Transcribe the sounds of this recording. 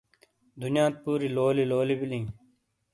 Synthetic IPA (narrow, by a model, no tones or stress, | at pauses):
d̪ʱʊnjãːt̪̚puːɾiːloːliːloːliːbɪlĩː